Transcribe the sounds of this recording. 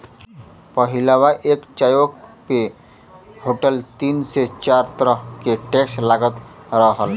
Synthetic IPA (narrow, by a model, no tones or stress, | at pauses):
pəɦilawaʔeːkt͡ʃajokpe | hoʈəlt̪iːnset͡ʃaːɾt̪əɾəɦkeʈekslaɡət̪ɾəɦəl